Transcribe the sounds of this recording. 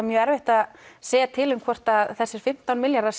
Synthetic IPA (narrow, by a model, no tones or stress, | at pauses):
mjœːɛɾvɪht̪aðseːjat̪ʰɪlʏmkʰvɔr̥t̪aðθɛsːɪɾ̥fɪm̥t̪awnmɪljaɾðaɾs